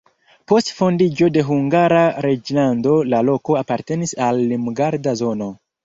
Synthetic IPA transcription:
po̞stfo̞ndid͡ʒo̞de̞ɦuŋɡaɾaɾe̞d͡ʒlando̞lalo̞ko̞apaɾte̞nisalːimɡaɾdazo̞no̞

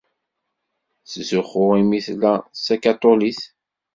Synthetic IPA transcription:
szʊχʊʁimiθlæsækat̪ˤoliθ

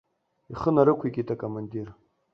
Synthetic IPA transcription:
iχənaɾɨkʷʰikʲʼitʰʼakʼomandir

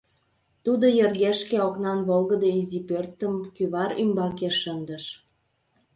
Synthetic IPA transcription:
t̪ud̪ojə̆rɣeʃkeoknɑnβolɣəd̪oizipørt̪əmkyβɑɾymbɑkeʃənd̪ə̆ʃ

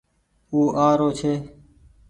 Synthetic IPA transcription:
uːʔaːɾoːt͡ʃʰeː

